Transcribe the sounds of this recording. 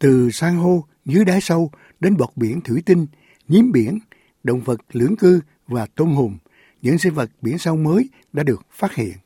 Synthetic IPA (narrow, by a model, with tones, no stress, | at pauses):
t̪ɨ˨˩saː˧ŋɦo˧ | zɨ˨˦əjɗaː˨˦jsə˧w | ɗe˨˦nɓɔ˨˩t̚ɓi˧˩ənt̪ʰɨ˧˩˦t̪i˧ŋ̟ | ɲi˨˦mɓi˧˩ən | ɗo̰˧˨wŋ͡mvə˨˩t̚lɨ̰˧˥əŋkɨ˧ | vaː˨˩t̪o˧nɦʊ˨˩ŋ͡m | ɲɨ̰˧˥ŋsi˧və˨˩t̚ɓi˧˩ənsə˧wməː˨˦j | ɗa̰ː˧˥ɗɨ˨˩ək̚faː˦˥t̚hḭ˧˨ən